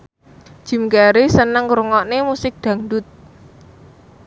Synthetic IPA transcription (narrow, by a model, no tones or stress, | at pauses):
d̥ʒ̥i̤mkaɾisənəŋɾuŋɔʔnemusɪk̚d̪̥a̤ŋɖʊt̪̚